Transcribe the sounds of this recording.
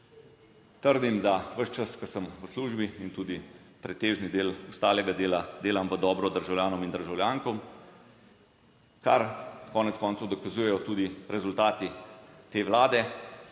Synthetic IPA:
t̪əɾd̪imd̪aʋəʃt͡ʃaskɐsəmʋəsluːʒbiint̪uːd̪i | pɾɛt̪eːʒnid̪eːlɔst̪aːlɛɡad̪eːlad̪eːlamʋəd̪ɔːbɾɔd̪əɾʒawljaːnɔmind̪əɾʒawljaːŋkɔm | kaɾkɔːnɛt̪skɔːnt̪owd̪ɔkazujɛjɔt̪uːd̪iɾɛzult̪aːt̪it̪eːʋlaːd̪ɛ

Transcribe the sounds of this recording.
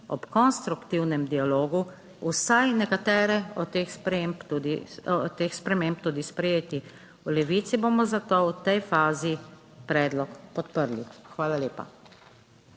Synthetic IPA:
ɔpkɔnst̪ɾukt̪iwnɛmd̪ialoːɡu | usajnɛkat̪ɛːɾɛɔt̪exspempt̪ud̪ḭɔt̪eːxspɾɛmemp̚t̪uːd̪ispɾɛjeːt̪i | ulɛʋit̪sibomɔzat̪owt̪ɛjfaːzi | pɾɛːd̪lɔkpɔt̪pəɾlixʋaːlaleːpa̰

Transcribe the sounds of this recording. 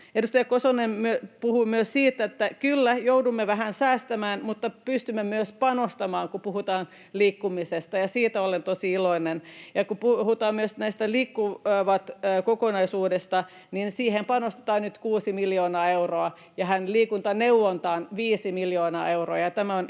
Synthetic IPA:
edust̪ɑjɑkosonemmyøpuhuimyøssiːt̪ːet̪ːækylːæjoudumːeʋæɦænsæːst̪æmæːnmut̪ːɑpyst̪ymːemyøspɑnost̪ɑmɑːŋkupuhut̪ɑːn | liːkːumisest̪ɑjɑsiːt̪æolent̪osiiloinenjɑkupuhut̪ɑːmmyøsnæist̪æliːkːuʋɑt̪ːkokonɑisuːdest̪ɑ | ninsiːhempɑnost̪e̥t̪ɑːnnyt̪kuːsimiljoːnɑːeuroɑ | jɑhænliːkunt̪ɑnewʋont̪ɑːnʋiːsimiljoːnɑ̰ːeuroɑjɑt̪æmæon

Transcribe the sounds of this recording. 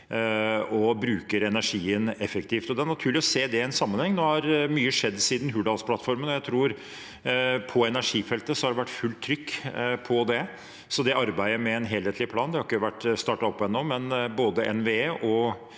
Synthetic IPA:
ɔbɾʉːkəɾɛnæʂiːənɛfəkt̪ʰiːft̪ɔd̪ɛæɳɑt̪ʰʉːɭɪɔseːd̪ɛɛnsɑmːənhɛŋnoːhɑɾmyːəʂɛd̪ːsiːd̪n̩ɦʉːɖɑːlspʰlɑt̪fɔɾmənɔjæɪt̪ʰɾuːɾ | pʰɔɛnæʂiːfɛlt̪əsɔhɑɖɛʋæʈːfʉlt̪ʰːɾʏkːpʰɔd̪ɛ | sɔd̪ɛʔɑɾbæɪəɾmɛːnɦeːlheːt̪ʰlɪpʰlɑːnd̪ɛhɑɾɪkːəʋæʈːst̪ɑːʈɑɔpːɔɛnːoːmɛnboːd̪əʔɛ̰nʋeeːʔɔ

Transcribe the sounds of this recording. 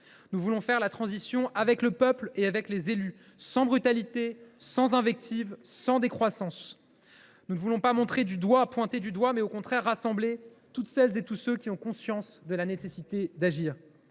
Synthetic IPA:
nuvulɔ̃fɛʁlat̪χɑ̃zisjɔ̃ʔavɛkləpœpleavɛklezely | sɑ̃bʁyt̪alit̪esɑ̃zɛ̃vɛk̚t̪ʰivːɑ̃d̪ekχwasɑ̃s | nunəvulɔ̃pamɔ̃t̪χed̪yd̪wapwɛ̃t̪ed̪yd̪wamɛokɔ̃t̪χɛʁːasɑ̃ble | t̪ut̪sɛlzet̪usøkʲiɔ̃kɔ̃sjɑ̃sd̪əlanesesit̪ed̪aʒiːʁ

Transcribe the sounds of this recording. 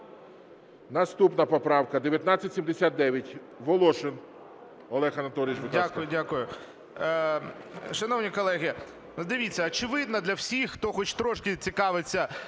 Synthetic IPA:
nɐst̪upnɐpɔpɾɑwkɐd̪eʋʲjɐt̪nɑt͡sʲːɐtʲsʲimd̪esʲat̪̚d̪ɛʋʲjɐtʲ | ʋɔlˠɔʃɪn | ɔlˠɛxɐnɐt̪ɔlʲɪɪt͡ʃʋɪd̪ʲakʊjʊdʲakʊjʊ | ʃɐnɔwnʲikɔlˠɛɦʲɪ | d̪ɪʋʲit͡sʲːɐːt͡ʃɪʋɪd̪nɐd̪lʲɐwsʲixxt̪ɔxɔt͡ʃt̪ɾɔʃkɪt͡sʲikɑʋɪt͡sʲːɐ

